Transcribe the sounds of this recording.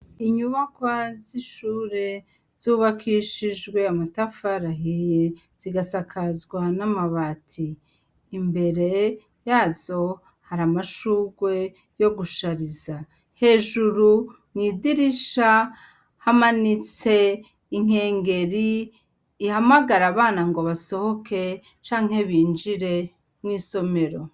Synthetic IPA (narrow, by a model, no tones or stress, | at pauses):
iɲuβakwaziʃuːɾe̞ | z̥uβakʰiʃiʒɡwe̞amatafaɾaɦi | z̥iɡasakʰazɡwanamaβatʰiː | mbe̞ɾe̞ | jaːzo̞ | haɾamaʃuɡwe̞ | jo̞ɡuʃaɾiza | he̞ːʒuɾu | mŋiːdiɾiʃa | hamanit͡se̞ | iŋ̥e̞ːŋɡe̞ɾi | ihamaɡaɾaβaːnaŋɡo̞βaso̞ho̞ke̞ | t͡ʃaːŋ̥he̞βiːnd͡ʒiɾe̞ | mŋiːso̞me̞ɾo̞